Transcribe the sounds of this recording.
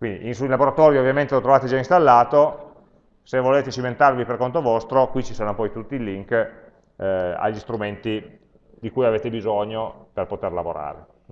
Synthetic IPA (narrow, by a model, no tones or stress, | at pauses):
kwind̪ḭʔinsuilaboɾat̪ɔːɾjoovjament̪elot̪ɾovaːt̪ed͡ʒainst̪alːaːt̪o | sevoleːt̪et͡ʃiment̪arviperkont̪ovɔst̪ɾokwit͡ʃisoːnopɔjt̪ut̪ːiːliŋk | a̰ʎːist̪ɾument̪i | d̪ikujaveːt̪ebizoɲoperpot̪erlavoɾa̰ːɾḛ